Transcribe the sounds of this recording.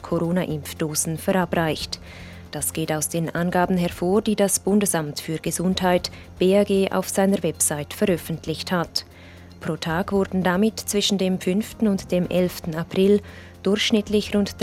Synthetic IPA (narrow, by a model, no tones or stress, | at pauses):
kʰoʁoːnaʔɪmfd̥oːzn̩fɛʁabʁaɪçt | d̥asɡ̥eːtaʊsd̥eːnʔanɡaːbn̩ɦɛɐfoːɐd̥iːdasb̥ʊndəsamtfyːɐɡ̥əzʊnthaɪt | b̥eːaɡeːʔa̰ʊfz̥aɪnəvɛpsaɪtfɛʁœfn̩tʰlɪçthat | pʁ̥oːtʰaːɡvʊɐdn̩damɪtt͡sv̥ɪʃn̩deːmfʏnftn̩ʊntd̥eːmʔɛlftn̩apʁ̥ɪl | d̥ʊrçʃnɪtlɪçʁʊntd̥